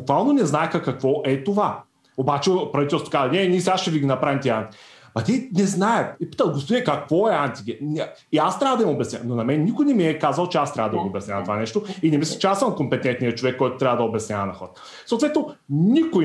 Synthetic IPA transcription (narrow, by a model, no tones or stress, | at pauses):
bukvalˠnonɛznaɛkakɐkvɔʔɛt̪ova | obat͡ʃɛpɾɐvit̪ɛlsokazɐnɛnʲisasʃt͡ʃɛviɡʲinɐpɾavʲɛmt̪ʲiɛant̪i̥ | mɐt̪inɛznaɛt̪ipi̥t̪əlˠɡost̪oviɛkakvɔɛant̪iɡʲɛniast̪ɾavəd̪ɐimobʲɛsnʲa̰nonɐmɛnnikojnɛmiɛkazɐlˠt͡ʃɛast̪ɾavəd̪ɐiɡobɛsnʲavɐt̪ovanɛʃt̪oinɛmisʲɛt͡ʃɛasəmkompɛt̪ɛnt̪nijət͡ʃovɛkːɔjt̪o̥t̪ɾʲavəd̪ɐobɛsnʲavɐnɐxɔɾət̪ | soːt̪vɛt̪noniko